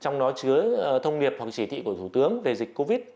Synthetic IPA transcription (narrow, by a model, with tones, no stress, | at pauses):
t͡ɕɔ˧wŋ͡mɗɔ˨˦t͡ɕɨ˨˦ət̪ʰə˧wŋ͡mɗi˨˩əp̚hwa˨˩k̚t͡ɕi˧˩t̪ʰḭ˧˨ku˧˩ət̪ʰu˧˩t̪ɨ˨˦əŋve˨˩zï˨˩k̟̚ko˧vi˦˥t̚